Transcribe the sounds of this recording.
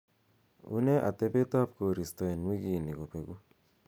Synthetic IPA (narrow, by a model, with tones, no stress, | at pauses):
ṵ˦ne˦ʔa̰˨te˦pe˦ta˦pko˨ɾi˨stɔ˨e˨nwi˦ɡi˨ni˨ko˨pe˨ɡu˦